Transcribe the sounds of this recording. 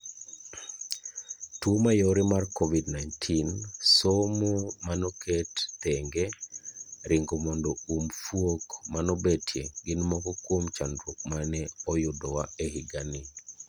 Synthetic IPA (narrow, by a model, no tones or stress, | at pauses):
tuomajoɾimarkovidnajntʰinsomomanɔkɛttɛŋɡe | ɾʔɪŋɡomɔndɔumfwokmanɔbetʰjeɡɪnmɔkɔkwomt͡ʃandɾwok̚manɛɔjʊdɔwaehiɡanɪ